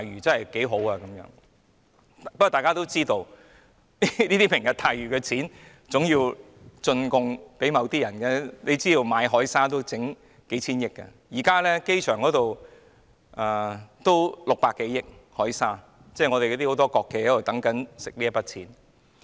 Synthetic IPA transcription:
aː˨jɥyː˨˩t͡sɐ˥nhɐ˨jke˨˥jɦo˨˥waː˧kɐ˨˦mjœ̰ː˨˥ŋ | pɐ˥kɔ˨˩t̪aː˨jkaː˥t̪o˥wt͡siː˥t̪o˧w | niliː˥t̪i˥pʰɪ˨˩ŋjɐ˨˧t̪ʰaː˨jɥyː˨˩kɛː˧t͡sʰiː˨˥n | t͡sʊ˨˥ŋji˧w | t͡sɵ˧nkʊ˧ŋpe˨˥mɐ˨˧wt̪iː˥jɐ˨˩nkɛ˧le˨˧jt͡siː˥t̪o˧wmaː˨˧˥jɦɔː˨˥jsaː˥t̪o˥wt͡sɪ˨˥ŋ | ke˨˥jt͡sʰiː˥njɪ˥kːɐ̰˧jiː˨˩kaː˥lɛː˥ke˥jt͡ʃʰœː˨˩ŋkɔː˨˥t̪o˨w | ʔɛː˨˩t̪o˥wlʊ˨k̚paː˧kːe˨˥jɪ˥k̚hɔː˨˥jsaː˥ | t͡sɛː˥˩˨ŋɔ˨˧ɾe˨kɔ˧t̪i˥˩o˨˧˥t̪ɔː˥kɔː˧kːe˧jhɐ˨˥wo˨˩t̪ɐ˨˥ŋkɐ˨˥nsɪ˨k̚liː˥jɐ˥pɐ˥t̚t͡sʰiː˨˥n

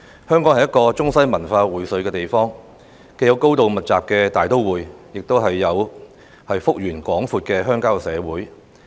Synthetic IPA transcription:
hœː˥ŋkɔː˨˥ŋhɐ˨jɐ˥tkɔː˧t͡sʊ˥ŋsɐ˥jmɐ˨˩nfaː˧wuː˨˩jsɵ˨˧ɥkɛː˧t̪e˨jfɔː˥ŋ | ke˨˧jɐ˨˧wko˥wt̪o˨wmɐ˨t̚t͡saː˨p̚kɛː˧t̪aː˨jt̪o˥wwuː˨˧jjɪ˨k̚t̪o˥wɦɐ˨jːɐ˨˧w | hɐ˨jfʊ˥k̚jyː˨˩nkʷɔː˨˥ŋfuː˧t̚kɛː˧ɦœː˥ŋkaː˥wsɛː˨˧wuː˨˥j

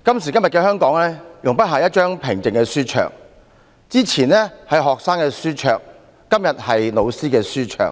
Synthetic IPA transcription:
kɐ˥msiː˨˩kɐ˥mjɐ˨t̚kɛː˧ɦœː˥ŋkɔː˨˥ŋlɛː˥jʊ˨˩ŋpɐ˥t̚ɦaː˨jɐ˥t̚t͡ʃœː˥ŋpʰɪ˨˩ŋt͡sɪ˨ŋkɛː˧syː˥t͡ʃʰœ̰ː˨˩ŋ | t͡siː˥t͡sʰiː˨˩nɛː˥hɐ˨jɦɔː˨k̚saː˥ŋkɛː˧syː˥t͡ʃʰœː˨k̚ | kɐ˥mjɐ˨t̚hɐ˨jno˨˧wsiː˥kɛː˧syː˥t͡ʃʰœ̰ː˨˩ŋ

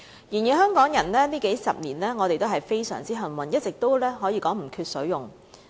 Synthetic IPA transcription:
jiː˨˩nji˨hœː˥ŋkɔː˨˥ŋjɐ˨˩nlɛː˥niː˥ke˨˥jsɐ̰˨p̚niː˨˩nlɛː˥ŋɔː˨˧ɾe˨jt̪o˥wɦɐ˨jfe˥jsœ̰ː˨˩ŋt͡siː˥ɦɐ˨nwɐ˨njɐ˥t̚t͡sɪ˨k̚t̪o˥wlɛː˥ɦɔː˨˥jiː˨˧kɔː˨˥ŋm̩˨˩kʰyː˧t̚sɵ˨˥ɥjʊ˨˩ŋ

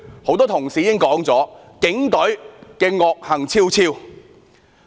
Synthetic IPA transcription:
ho˨˧˥wt̪ɔː˥t̪ʰʊ˨˩ŋsiː˨˥jɪ˥ŋkɔː˨˥ŋt͡sɔː˨˥ | kɪ˨˥ŋt̪ɵ˨˥ɥkɛː˧ŋɔː˧k̚hɐ˨˩ŋt͡sʰiː˥wt͡sʰiː˧w

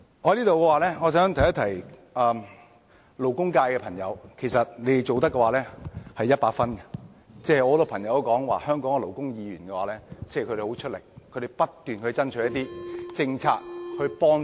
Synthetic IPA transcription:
ŋɔː˨˧hɐ˧˦liː˥t̪o˨wkɛ˧waː˨˩lɛː˥ŋɔː˨˧sœː˨˥ŋt̪ʰjɐ˥t̪ʰɐ˨˩jɐː˨˩m | lo˨˩wkʊ˥ŋkaː˧jkɛ˧pʰɐ˨˩ŋjɐ˨˧wkʰe˨˩sɐ˨t̚le˨˧je˨jt͡so˨wt̪ɐ˥kːɛ˧waː˨lɛː˥hɐ˨jɐ˥t̚paː˧k̚fɐ˥nkɛ˧ | t͡sɛː˥˩ɔː˧˥t̪o˨˩pʰɐ˨˩ŋjɐ˨wɐ˥kɔː˨˥ŋwa̰ː˨hœː˥ŋkɔː˨˥ŋkɛ˧lo˨˩wkʊ˥ŋjiː˧ɥyː˨˩nkɛ˧waː˨˦lɛː˥t͡sɛ˥˧˨kʰɵ˧ɾe˨˩ho˨˥wt͡ʃʰɵ˥t̚lɪ˨˩kʰɵ˨˧ɾe˨˩jpɐ˥t̪ːyː˨nkʰt͡sɐ˥nt͡ʃʰːjɐ˥t̪iː˥t͡sɪ˧ŋt͡sʰa̰ː˧k̚hɵ˧ɥpɔː˥ŋ

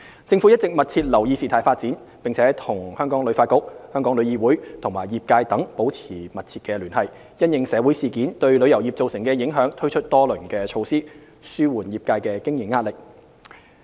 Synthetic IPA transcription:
t͡sɪ˧ŋfu˨˥jɐ˥t̚t͡sɪ˨k̚mɐ˨t̚t͡sʰiː˧t̚lɐ˨˩wjiː˨˧siː˨t̪ʰaː˨˩jfaː˧t̚t͡siː˨˥n | pɪ˨ŋt͡sʰɛː˨˥t̪ʰʊ˨˩ŋhœː˥ŋkɔː˨˥ŋlɵ˨˥ɥfaː˧t̚kʊ˧k̚hœː˥ŋkɔː˨˥ŋlɵ˨˧jiː˧wuː˨˥jt̪ʰʊ˨˩ŋmaː˨˩jjiː˨p̚kaː˧jt̪ɐ˨˥ŋpo˨˥wt͡sʰiː˨˩mɐ˨t̚t͡sʰiː˧t̚kɛː˧lyː˨˩nhɐ˨˩j | jɐ˥njɪ˨˧ŋsɛː˨˧wu˨˥jsiː˨kiː˨˥nt̪ɵ˧ɥlɵ˨˧ɥjɐ˨˩wjiː˨p̚t͡so˨wsɪ˨˩ŋkɛː˧jɪ˨˥ŋɦœː˨˥ŋt̪ʰɵ˥ɥt͡ʃʰɵ˥t̚t̪ɔː˥lɵ˨˩ŋkɛː˧t͡ʃʰo˧wsiː˥ | syː˥wuː˨˩njiː˨p̚kaː˧jkɛː˧kɪ˥ŋji˨˩ŋaː˧t̚lɪ˨k̚

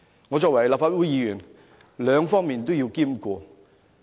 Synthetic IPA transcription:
ŋɔ˨˧t͡sɔː˨k̚wɐ˨˩jla˨pfaː˧t̚wuː˨˥jiː˨˧jyː˨˩n | lœː˨˧ŋfɔː˥ŋmiː˨nt̪o˥wji˧wkiː˥mkʷɔː˧

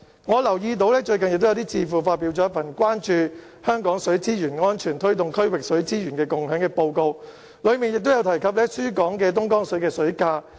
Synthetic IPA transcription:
ŋɔː˨˧lɐ˨˩wjiː˧t̪̬o˨˧wlɛː˥t͡ʃɵ˧ɥkɐ˨njɪ˨k̪̚jt̪iː˥t͡siː˧fuː˨˩faː˧t̚piː˨˥wt͡ʃɔ˨˥ɐ˥fɐ˨˩nkʷwaː˥nt͡ʃyː˧ | hœː˥ŋkɔː˨˥ŋsɵ˨˥ɥt͡siː˥jyː˨˩nŋɔː˥nt͡ʃʰyː˨˩nt̪ʰɵ˥ɥt̪ʊ˨˩ŋkʰɵ˥ɥwɪ˨k̚sɵ˨˥ɥt͡siː˥ɥyː˨˩nkɛː˧kʊ˨ŋhœː˨˥ŋkɛː˧po˧wko˧w | lɵ˨˧ɥmiː˨njɪ˨k̚t̪o˥wjɐ˧wt̪ʰɐ˨˩jkʰɐ˨p̚lɛː˥syː˥kɔː˨˥ŋkɛː˧t̪̬ʊ˥ŋkɔː˥ŋsɵ˨˥ɥkɛː˧sɵ˨˥ɥkaː˧

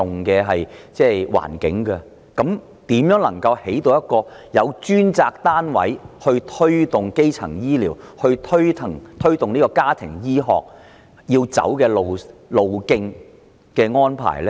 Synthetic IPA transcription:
ʊ˨ŋkɛː˧ɦɐ˨jt͡sɛː˥wa̰ː˨˩nkɪ̰˨˥ŋkɐ˧ | kɐ˨˥m | t̪iː˨˥mjœː˨˥ŋlɐ̰˨˩ŋkɐ˧whe˨˥jt̪o˨˧wjɐ˥t̚kɔː˧jɐ˨˧wt͡ʃyː˥nt͡saː˧k̚t̪aː˥nwɐ̰˨˥jhɵ˧t̪ʰɵ˥ɥt̪ʊ˨ŋke˥jt͡sʰɐ̰˨˩ŋjiː˥liː˨˩whɵ˧ɥt̪ʰɵ˥ɥt̪ʰɪ˨˩ŋt̪ʰɵ˥ɥt̪ʊ˨ŋniː˥kɔː˧kaː˥t̪ʰɪ̰˨˩ŋjiː˥ɦɔ̰ː˨k̚ | jiː˧wt͡sɐ̰˨˥wkɛː˧lo˨wlo˨wkɪ˧ŋ | kɛː˧ŋɔː˥npʰa̰ː˨˩jlː

